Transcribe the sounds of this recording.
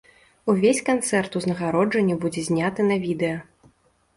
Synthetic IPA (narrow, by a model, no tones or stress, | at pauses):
uvʲesʲkant̪sɛrt̪uznɐɣaɾɔd͡ʐɐnʲːibud͡zʲɛzʲnʲat̪ɨnɐvʲid̪ɛjɐ